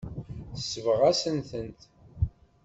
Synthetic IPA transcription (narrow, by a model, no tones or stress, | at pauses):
θə̥sːəvəʁæsənθənt̪